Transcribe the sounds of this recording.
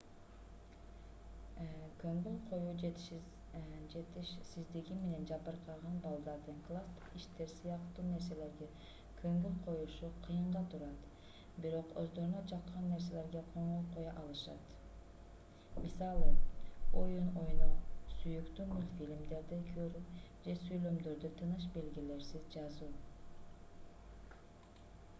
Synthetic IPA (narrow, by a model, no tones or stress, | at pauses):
kʰøŋɡøɴqʰo̞juː | d͡ʒet̪iʃsizd̪iɡʲime̞ne̞nd͡ʒɑbɯɾqɑʁɑnbɑlˠd̪ɑɾd̪ɯnklˠast̪iʃt̪e̞ɾsɯjɑqt̪une̞ɾse̞le̞ɾɡe | kʰøŋɡønqʰo̞juʃuqʰɯjɯɴʁɑt̪ʰuɾɑt̪ | biɾo̞qø̰zd̪o̞ɾunɑt͡ʃʰɑqːɑnːe̞ɾs̬e̞le̞ɾɡeqʰoɴoqojɑʔɑlˠɯʃɑ̰t̪ | misɑlˠɯojuno̞junɑsyjykt̪ymylfilʲimd̪e̞ɾd̪ikʰøɾyd͡ʒe̞syjlø̞md̪øɾd̪yt̪ʰɯnɯʃ̬be̞lɡʲile̞ɾsizd͡ʒɑzuː